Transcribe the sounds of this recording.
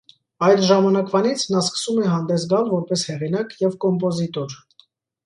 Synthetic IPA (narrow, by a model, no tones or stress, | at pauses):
ɑjd̪ʒɑmɑnɑkvɑnit͡sʰnɑskə̥sumɛɦɑnd̪ɛs̬ɡɑlvɔɾpɛshɛʁinɑkjɛvkɔmp̬ɔzit̪ɔɾ